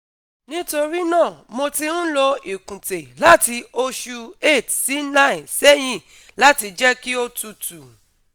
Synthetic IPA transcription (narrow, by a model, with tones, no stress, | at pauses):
nĩ˦to˧ɾi˦nãː˦˨mo˧ti˧ñ̩˦lo˧i˨kũ˨te˨la˦ti˧o˧ʃu˧e˦˨tsi˨˦nã˦ĩ˨sɛ˦j̃ĩ˦˨ | la˦ti˧d͡ʒɛ˦ki˦o˧tu˧tu˨